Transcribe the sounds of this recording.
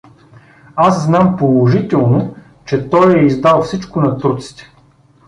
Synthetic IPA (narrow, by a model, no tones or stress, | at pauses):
asznampolˠoʒit̪ɛlˠno | t͡ʃɛt̪ɔjɛizd̪alˠfsit͡ʃkʊnɐt̪uɾt̪si̥t̪ɛ̥